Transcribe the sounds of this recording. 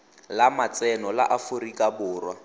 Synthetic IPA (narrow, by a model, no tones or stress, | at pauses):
lamat͡sɛnɔla̰ʔafʊrikʼabʊːrwa